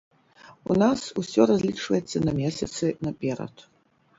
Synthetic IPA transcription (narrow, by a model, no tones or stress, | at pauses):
unasusʲɔɾɐzʲlʲit͡ʂvɐ̰jɛt̪sːɐnɐmʲesʲɐt̪sɨnɐpʲeɾɐ̰t̪ʰ